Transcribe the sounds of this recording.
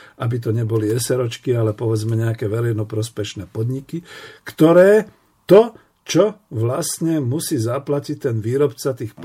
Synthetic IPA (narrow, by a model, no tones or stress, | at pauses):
ʔabit̪̬ɔɲɛbɔliɛsɛɾɔt͡ʃkialɛpɔʋɛd͡zmɛɲɛakɛːʋɛɾɛɪnɔpɾɔspɛʃnɛːpɔd̪ɲikikt̪ɔɾɛː | t̪ɔ | t͡ʃɔʋlastɲɛmusiːzaplacict̪ɛnʋiːɾɔpt͡sat̪iːxp